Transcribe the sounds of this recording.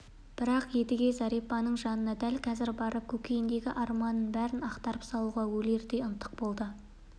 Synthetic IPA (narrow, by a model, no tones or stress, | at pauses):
b̥ɪɾɑqje̞d̪ɪɡʲe̞zɑɾijpːɑnəɴʒɑnənɑd̪ælkʰɑzɪɾbɑɾʔəp̚kʲʰɵkʲejɪnd̪e̞ɡʲɪʔɑɾmɑnəɴbæɾɪnɑqt̪ɑɾəpsɑlˠuʁɑwɵle̞ɾd̪e̞ʊnt̪ːə̥q̚bo̞lˠd̪ə